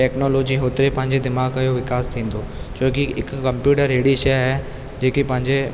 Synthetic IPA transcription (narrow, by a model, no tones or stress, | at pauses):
ʈɛːknoːloːd͡ʒiɦoːt̪ɾepɐɦɲd͡ʒed̪ɪmaːɡkajoʋɪkaːst̪ʰĩːnd̪oːt͡ʃoːkiɪkːɐmpjuːʈəɾeːɽiʃɛːɦɛ | d͡ʒeːkipɐɦɪ̃ɲd͡ʒe